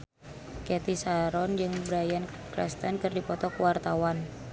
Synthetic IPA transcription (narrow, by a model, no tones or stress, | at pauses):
kɛt̪isaɾɔnd͡ʒɨŋbɾajan | kɾɛ̰st̪ənkɨrdipɔt̪ɔkəwart̪awan